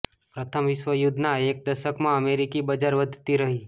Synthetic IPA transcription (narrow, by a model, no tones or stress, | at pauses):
pɾət̪ʰəmʋɪʃʋəjud̪ʱnaeːk̚d̪əʃəkmãəmeɾikibəd͡ʒaɾʋəd̪ʱt̪iɾəɦiː